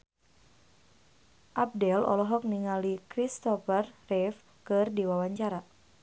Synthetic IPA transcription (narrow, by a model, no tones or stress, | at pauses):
ʔab̚dɛlɔ̰lɔɦɔk̚niŋalikɾist̪ɔfərrɛf | kɨrdiwawaɲt͡ʃaɾa